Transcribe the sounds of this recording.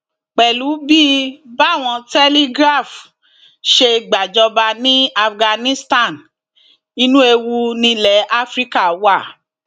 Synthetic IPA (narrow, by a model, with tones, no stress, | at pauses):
k͡pɛ˨lu˨˦bi˦ba˦˨w̃ɔ̃˧tɛ˦li˦ɡɾa˦˨f | ʃe˧ɡ͡ba˨d͡ʒɔ˧ba˧nĩ˦a˧fɡa˧nĩ˦sta˦˨n | i˧nũ˦e˧wu˧nĩ˧lɛ˨˦ʔa˦fɾi˦ka˦˨˦wa˦˨